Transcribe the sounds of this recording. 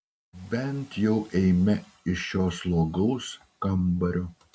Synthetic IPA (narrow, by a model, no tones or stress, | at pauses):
bʲɛnt̪jɛʊʔɛɪmʲɛ | ɪʃjoːslˠoːɡɐʊs | kɐmbɐɾʲoː